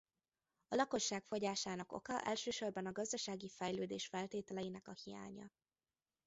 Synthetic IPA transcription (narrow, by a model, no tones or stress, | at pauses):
ɒlɒko̞ʃːaːkfo̞ɟaːʃaːnɒko̞̰kɒʔɛlʃøːʃo̞rbɒnɒɡɒzd̪ɒʃaːɡifɛjløːd̪eːʃfɛlt̪eːt̪ɛlɛjinɛkɒhija̰ːɲɒ̰